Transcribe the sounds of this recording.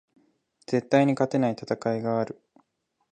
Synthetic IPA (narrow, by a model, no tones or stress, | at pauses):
d͡z̥e̞t̪ːaiɲ̟ikat̪e̞nait̪at̪akaiɡaːɾɯ̟